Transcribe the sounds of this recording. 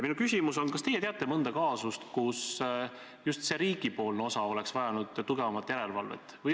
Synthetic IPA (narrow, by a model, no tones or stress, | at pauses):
minukysʲimuso̞nkɑst̪e̞jːeeɑt̪ːˑe̞mɤnd̪̥ɑkɑːsust̪kus | just̪se̞ɾiːɡ̥ipo̞ːlnosɑo̞le̞ksvɑjɑnud̪̥t̪ːuɡe̞vɑmɑt̪ːˑjæɾe̞lvɑlvḛt̪ːˑvɯj